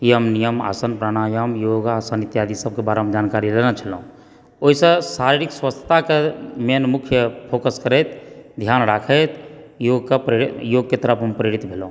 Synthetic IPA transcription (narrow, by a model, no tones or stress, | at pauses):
jeɦəmnijəma̰ːsənpɾaɽ̃aːjəmjoːɡaːsənit̪jaːd̪isəb̚kebaːɾɦəmd͡ʒaːnkaːɾilenat͡ʃʰəloũ | oisesaːɾiɾikswəst̪ʰə̥t̪akemenmʊkʰjəpʰoːkəskəɾet̪d̪ʱjaːnɾaːkʰət̪joːɡkapɾjoːɡket̪əɾəpʰɦəmpɾeɾit̪bʱeloũ